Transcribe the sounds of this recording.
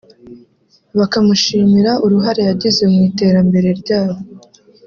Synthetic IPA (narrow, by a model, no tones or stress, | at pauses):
βakamuʃiːmiɾaʔuɾuɦaɾe̞jaɟize̞mŋiːte̞ːɾambe̞ɾe̞ɾɟaːβo